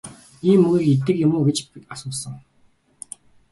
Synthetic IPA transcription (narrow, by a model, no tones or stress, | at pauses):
iːmːɵɣiːket̪ɘ̆kjʊmʊːɡet͡ɕasʊːsə̆ŋ